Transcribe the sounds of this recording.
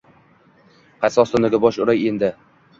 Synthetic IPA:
qʰajsɒst̪ʊnɪɡʲabɒʃʊɾajend̪ɪ

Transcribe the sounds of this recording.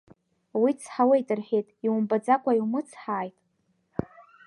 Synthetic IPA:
wit͡sʰħawejtʼɨrħejtʼiwumbad͡zakʷʼaiwmɨt͡sʰħaːjtʼ

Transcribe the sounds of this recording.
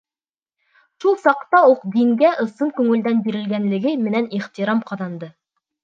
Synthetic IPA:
ʃulˠsɑqt̪ɑuqd̪iŋɡæʔɤ̆sɤɴkʉŋɘ̆ld̪ænbiɾɘ̆lɡænlɘ̆ɡɘmɘ̆næniχt̪iɾɑmqɑðɑnd̪ɤ

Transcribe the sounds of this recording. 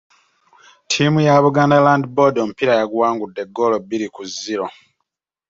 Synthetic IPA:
tʰimujaβuɡandalaːndibodom̩piɾajaɡwaːŋɡudːe̞ɡolobiɾikuzːiɾo̞

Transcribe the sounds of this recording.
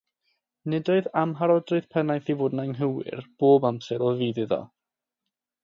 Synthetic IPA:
nɪdɔɨðamɦaɾɔdrɨðpʰɛnajθivoːdnaŋɦəwɪ̰rb̥oːbamsɛɾɔviːðɪðɔ̰

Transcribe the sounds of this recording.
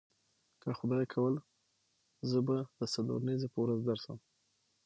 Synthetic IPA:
kəxʊd̪ɑjkʰawəl | zəbad̪əsalṵɾanizepəwɾazd̪aɾsə̰m

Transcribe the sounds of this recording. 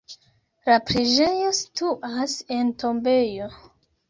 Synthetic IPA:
lapɾiʒeɲo̞stuʔase̞ntʰo̞mbe̞jo̞

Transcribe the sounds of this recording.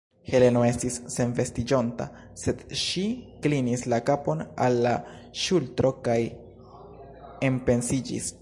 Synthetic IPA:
he̞le̞noe̞stisːe̞nve̞stid͡ʒo̞nta̰ | se̞d̥ʃiklinislakapo̞na̰lːaʃultɾo̞kaj | e̞mpe̞nsid͡ʒḭs

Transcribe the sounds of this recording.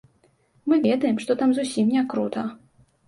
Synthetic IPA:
mɨvʲɛd̪ɐjɛmʂt̪ɔt̪amzusʲimnʲɛkɾut̪ɐ

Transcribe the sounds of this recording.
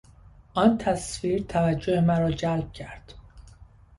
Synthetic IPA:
ʔɒːnt̪ʰæsfiːɾt̪ʰævæd͡ʒːohemæɾɒːd͡ʒælb̚cʰæɾd̪̥

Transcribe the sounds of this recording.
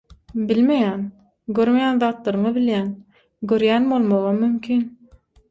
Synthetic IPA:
bilme̞jæːn | ɡøɾme̞jæːnðɑːt̪lˠɑɾɯɴɑbiljæːn | ɡøɾjæːnbo̞lˠmoʁɑmymkʲʰiːn

